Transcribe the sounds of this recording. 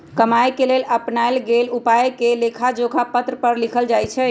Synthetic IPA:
kəmajkeleləpnaelɡelupaekelekʰad͡ʒoɡʱapət̪ɾəpəɾlikʰəld͡ʒajt͡ʃʰɛ

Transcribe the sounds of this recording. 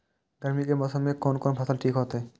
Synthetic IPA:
ɖaɾmikemɔsamekɔnkɔnbʱasalʈʰikɦot̪e

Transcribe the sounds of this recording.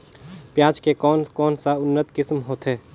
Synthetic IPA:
pjaːd͡ʒkekɔːnkɔːnsaʊnːət̪kɪsmɦoːt̪ɦɛː

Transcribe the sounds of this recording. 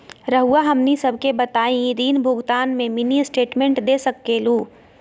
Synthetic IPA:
ɾəɦuaɦɐmnisəbʱkebɐt̪aːĩd̪iːnbʱʊɡt̪aːnmẽminisʈeːʈmẽɳʈd̪eːsəkːeːluː

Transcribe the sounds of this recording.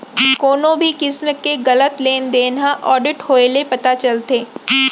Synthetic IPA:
koːnõbʱikɪsməkːeɣɐlət̪leːnd̪eːnaʔɔːɖɪʈhoːelepɐt̪at͡ʃɐlt̪eː

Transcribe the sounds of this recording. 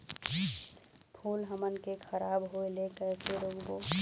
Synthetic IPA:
pʰuːlɦəmənkekʰəɾaːbɦoelekɛːseɾoːɡko

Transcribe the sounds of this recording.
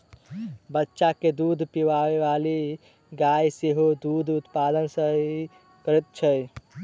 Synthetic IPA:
bətːʃaked̪ud̪ʱpiʋaweʋali | ɡajseɦod̪ud̪ʱut̪pad̪ənsəɦi | kəɾɛt̪̚t͡ʃʰəj

